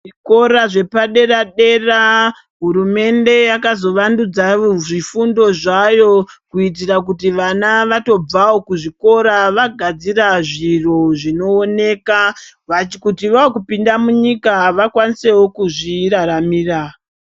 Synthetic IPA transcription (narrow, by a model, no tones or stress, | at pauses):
ʐiko̞ɾaʐe̞paɗe̞raɗe̞ra | ɦuɾume̞nde̞jakazo̞ʋandud͡zaʐifundo̞ʐajo̞kuit̬irak̬ut̬iʋanaʋato̞b͡vawo̞kuʐiko̞ɾaʋaɡʱad͡ziraʐiro̞ʐino̞ːne̞kaʋat͡ʃikutiʋaokupindamuɲikaʋakwanise̞wokuʐiraɾamiːra